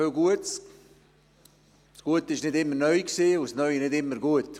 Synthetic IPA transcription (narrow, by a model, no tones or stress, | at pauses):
øɡuəs | sɡ̥uətəɪʃnɪdɪmːənœjksiːʊsnœʏnɪdɪmːəɾɡuət